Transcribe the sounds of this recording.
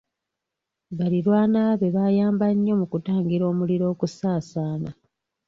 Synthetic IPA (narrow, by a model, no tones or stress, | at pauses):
βaliɾwaːnaːβe̞βaːjaːmbaɲːo̞mukutaːŋɡiɾo̞ːmuliɾo̞ːkusaːsaːna